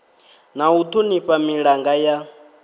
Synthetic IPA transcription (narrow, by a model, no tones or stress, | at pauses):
naut̪ʰuniɸamiɺaŋɡaja